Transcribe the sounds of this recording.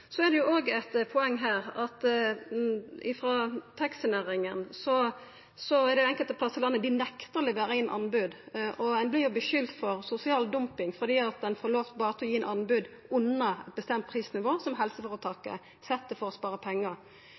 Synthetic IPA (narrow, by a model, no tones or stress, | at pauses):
sɔɛd̪ɛjʊʔoːɡɛt̪pʰɔɛŋːɦæːɾɑt̪ | ɪfɾɑt̪ʰɑksɪneːɾɪŋənsɔ | sɔɛd̪ɛɛŋkəlt̪əpʰlɑsːəlɑnːəd̪ɪnɛkt̪əɾlɛʋeːɾəɪnːʔɑ̰nbʉd̪ʔɔɛnblɪjʊbəʃʏlt̪fɔɾsʊsɪɑːld̪ʊmpɪŋfɔd̪iːɑt̪̚d̪ɛnfɔɾloːft̪bɑːɾət̪ʰɛɔjiːɛnʔɑnbʉd̪ | ʉnːɑɛt̪̚bəst̪ɛmt̪̚pʰʁiːsnɪʋoːsɔmɦɛlsəfɔːɾət̪ʰɑːkːə̰ | sɛt̪ːəfɔɾɔspɑːɾəpʰɛŋːəɾ